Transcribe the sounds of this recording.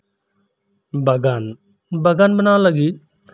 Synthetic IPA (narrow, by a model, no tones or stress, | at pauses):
bəɡan | bəɡanbənaːləɡiːt̪̚